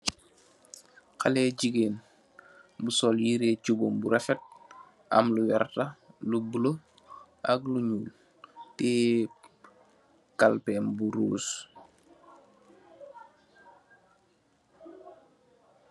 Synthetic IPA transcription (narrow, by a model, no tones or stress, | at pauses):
kalɛːɟiɡeːn | busɔːljiɾeːcubombuɾɛfɛt̚ | ɐ̰mluwɛɾtalubulo | ʔakluɲuːl | tɛː | kalpɛːmbuɾuːs